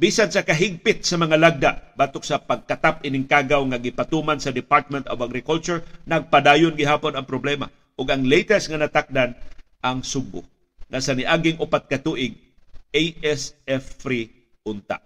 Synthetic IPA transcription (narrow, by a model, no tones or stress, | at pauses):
bisansɐkɐɦɪɡ̚pɪt̪̚sɐmɐŋalaɡ̚d̪aʔbaːt̪ʊk̚sapaɡ̚kat̪apɪnɪŋkaɡawŋaɡɪpat̪umansɐd̪ɪpaɹt̪̚mɛnt̪ovaɡɾɪkult͡ʃʊɹnɐɡ̚pad̪aːjʊnɡɪɦaːpʊnɐŋpɾoblɛma | ʔʊɡɐŋlejt̪ɛsŋanɐt̪ak̚dan | ʔaŋsʊbʊ̰ | ŋʔasanɪʔaɡɪŋʔʊpat̪̚kɐt̪uʔɪɡ̚ | ejɛsɛfɾi | ʔʊnt̪a̰ʔ